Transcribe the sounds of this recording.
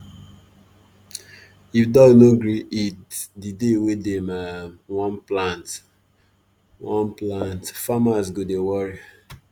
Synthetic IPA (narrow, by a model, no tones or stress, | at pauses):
ifdɔnoɡɹiitdidewedemawɔ̃nplãnt | wɔ̃nplãntfamasɡodewɔɹi